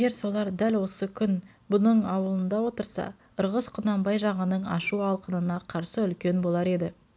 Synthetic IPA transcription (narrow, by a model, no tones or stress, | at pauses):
eɡʲeɾso̞lˠɑɾd̪ælwo̞səkʲʰʏn | bʊnəɴɑwəlˠənd̪ɑwo̞t̪əɾsɑ̰ | əɾʁəsqʰʊnɑmbɑjʒɑʁənəɴɑ̰ʃuɑlˠqənənɑqʰɑɾsəʏlkʲe̞nbo̞lˠɑɾe̞d̪ɪ